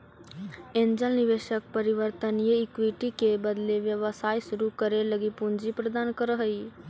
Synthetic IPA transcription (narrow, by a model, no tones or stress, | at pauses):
ẽnd͡ʒəlniʋeʃək̚pəɾiʋəɾt̪ənjeɪkʋiʈikebəd̪leʋjəʋəsaːjsuɾukəɾeləɡipund͡ʒipɾəd̪aːnkəɾəɦəi